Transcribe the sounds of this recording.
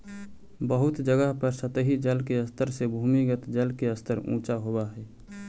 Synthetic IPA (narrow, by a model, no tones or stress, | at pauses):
bəɦʊt̪d͡ʒəɡəɦpəɾsət̪əɦid͡ʒəlkeəst̪əɾsebʱuːmiɡət̪d͡ʒəlkeəst̪ʰəɾṵ̃ːt͡ʃaɦoaɦɛː